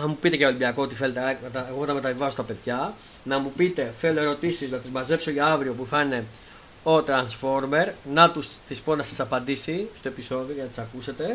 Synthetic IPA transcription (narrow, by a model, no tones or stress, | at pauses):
nɐmupit̪e̞ceolimbiɐko̞ot̪ife̞let̪et̪ɐeɣo̞t̪ɐme̞t̪ɐvivɐsot̪ɐpe̞ðʝɐ | nɐmupit̪e̞fe̞lo̞e̞ɾo̞t̪isiznɐt̪izmɐze̞pso̞ʝɐɐvɾio̞p̬uθɐne̞ | ot̪ɾɐnsfo̞ɾme̞ɾnɐt̪usθispo̞nɐsɐsɐpɐnd̪isist̪o̞e̞piso̞ðio̞cenɐt̪i̥sɐkuse̞t̪e̞